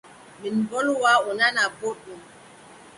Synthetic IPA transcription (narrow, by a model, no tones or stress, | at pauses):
minbɔlwaunanaboɗum